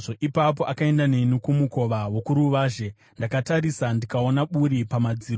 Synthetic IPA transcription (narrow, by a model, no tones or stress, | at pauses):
ʐoʔipap̬o̞ʔakae̞ndane̞nukumuko̞ʋawo̞kuɾuʋaːʒe̞ | ndakataɾisandikao̞naɓuɾipamad͡ziːro